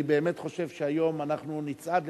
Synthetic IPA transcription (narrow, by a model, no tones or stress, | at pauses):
ibe̞ːme̞tχo̞ʃe̞vʃeajo̞manaχnunit͡sʔad̪l